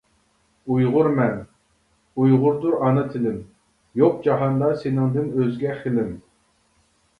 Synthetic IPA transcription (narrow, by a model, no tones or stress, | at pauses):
ujʁʊɾmɛn | ujʁʊɾd̪uɾɑnɨt̪ʰɪlɪm | joq̚d͡ʒɑɦɑnd̪ɑsenɪŋd̪ɪnøzɡʲɛχɪlɪm